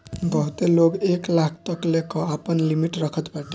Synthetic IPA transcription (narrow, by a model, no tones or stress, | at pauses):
bʌɦut̪eloɡeklakʰt̪əklekɔapənlimiʈɾʌkʰət̪baʈe̥